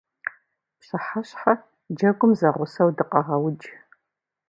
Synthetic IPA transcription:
pɕɐħaɕħɐ | d͡ʒɐɡʷʊmzɐʁʷʊsɐwdɨqɐʁɐwd͡ʒ

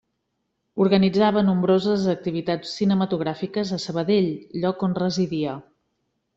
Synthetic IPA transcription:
uɾɣənid͡zaβ̞ənumbɾozəzək̚t̪iβ̞it̪at͡sːinəmət̪uɣ̞ɾafikəzəsəβəðeʎʎːɔkonrəziðiə

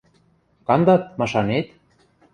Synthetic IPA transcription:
kɑnd̪ɑt̪̚mɑʃɑnet̪

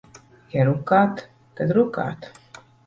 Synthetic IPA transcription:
jaɾukaːt̪ | kad̪ɾuka̰ːt̪

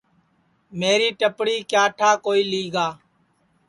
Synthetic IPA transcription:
meːɾiːʈəpɽiːkjaːʈʰaːkoːiːliːɡaː

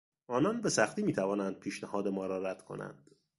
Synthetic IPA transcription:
ʔɒːnɒnbe̞sæxt̪iːmiːt̪ʰævɒːnænd̪̥̚pʰiːʃnæhɒːd̪emɒːɾɒːɾæd̪̥kʰo̞̰næ̰nd̪̥

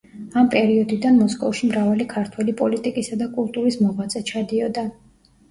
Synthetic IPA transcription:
ampʼɛɾiɔd̪id̪anmɔskʼɔfʃimɾavalikʰaɾt̪ʰwɛlipʼɔlit̪ʼikʼisad̪akʼulˠt̪ʼuɾismɔʁwat̪sʼɛt͡ʃʰad̪iɔd̪a

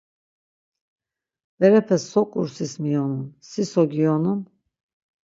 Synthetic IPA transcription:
vɛɾɛpʰɛsɔkʼṵɾsismijɔnumsisɔɡiɔnum

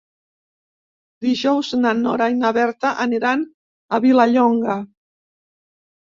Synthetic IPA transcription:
d̪iʒɔwznanɔ̰ɾajnaβɛɾt̪aʔaniɾan | aβilaʎɔŋɡa

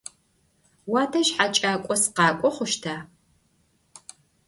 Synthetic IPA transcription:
waːtʰɐʃħat͡ʃʼaːkʷʼɔsqɑːkʷʼɔχʷʊʃtʰaː

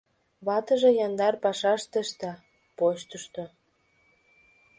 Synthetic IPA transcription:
βɑt̪ə̆ʒĕjɑnd̪ɑrpɑʃɑʃt̪ə̆ʃt̪ɑ | pot͡ɕt̪əʃt̪o

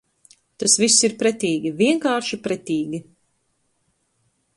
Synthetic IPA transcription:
t̪asvisːiɾpɾɛt̪ʲiːɡʲiviɛŋkaːɾʃipɾɛt̪iːɡʲi

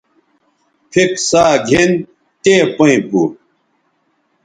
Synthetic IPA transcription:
pʰiksaːɡʱen | t̪eːpɐĩpu

